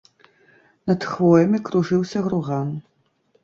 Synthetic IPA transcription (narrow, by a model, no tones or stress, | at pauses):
nɐt̪xvɔjɐmʲikɾuʐɨwsʲɐɣɾuɣan